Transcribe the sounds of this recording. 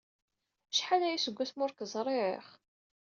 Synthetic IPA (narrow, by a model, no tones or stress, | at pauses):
ʃħalæjisəɡʷːæθmʊɾkəzˤɾˤeɾɪ̰χ